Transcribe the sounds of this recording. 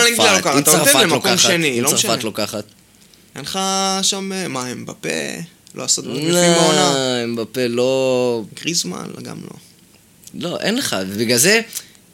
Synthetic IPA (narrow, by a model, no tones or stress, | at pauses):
leɡialokaaʁt̪efalemalokoamʃenilosaʁʃfatlokaχat̪ | enχaʃamemaembapḛ | lo̰asot̪ioaembapelo̞ɡʁizma̰n̰ɡa̰mlo̞̰ | lo̞ʔenleχa̰vebiɡalze